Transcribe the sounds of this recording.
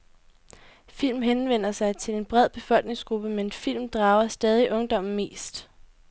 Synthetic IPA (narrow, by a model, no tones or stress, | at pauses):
fil̰mɦenʋen̰ɐsɑ̈ɪt͡sʰe̝le̝nb̥ʁɛð̞̰ˠb̥e̝fɒ̽l̰ɡ̥ne̝ŋsɡ̥ʁub̥əmennfil̰md̥ʁɑ̈ːʊɐsd̥ɛːð̞ˠiʔɔ̽ŋd̥ɒ̽m̰n̩me̝̰ːsd̥